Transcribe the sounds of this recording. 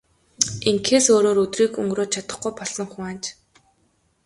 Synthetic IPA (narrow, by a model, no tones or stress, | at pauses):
eŋkʰeːsoːɾoːɾɵt̪riːkɵ̰ŋɡroːt͡ɕʰat̪ə̥̆χɡujpɔɮsɞ̆ŋχʊŋaːnt͡ɕ